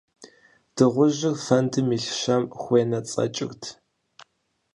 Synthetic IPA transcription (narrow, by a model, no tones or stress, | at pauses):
d̥ɨʁʷʊʑɪrfɐntʰɨmiɬɕɐmxʷeːnɐt͡sʼɐ̰t͡ʃʼɪ̰xtʰ